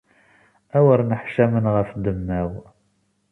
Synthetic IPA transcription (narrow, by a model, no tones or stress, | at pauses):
æwəɾnəħʃæmənʁəfd̪əmːæw